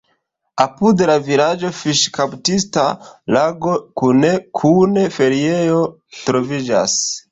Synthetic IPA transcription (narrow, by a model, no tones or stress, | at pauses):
apudlavilad͡ʒo̞fiʃkaptista̰laɡo̞kunekʰune̞fe̞ɾiejo | tɾo̞vid͡ʒa̰s